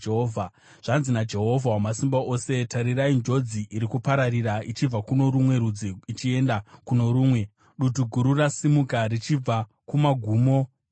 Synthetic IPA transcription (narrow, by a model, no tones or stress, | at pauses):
eoːvʱa | ʐ̥anzinad͡ʒe̞ɦo̞vʱawamasimbaʔo̞se̞taɾiraind͡ʒo̞d͡ziʔiɾikupaɾaɾiɾait͡ʃib͡vakuno̞ɾumwe̞ɾud͡ziit͡ʃie̞ndakuno̞ɾuːmwe̞ | ɗutuɡʱuɾurasimukarit͡ʃib͡va | kumaɡʱuːmo̞